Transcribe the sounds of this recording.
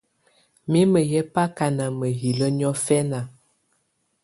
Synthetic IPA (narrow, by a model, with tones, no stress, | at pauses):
mi˦mə˨jɛ˦pa˦ka˨na˨mə˨ɦi˨lə˦ɲɔ˦fɛ˦na˨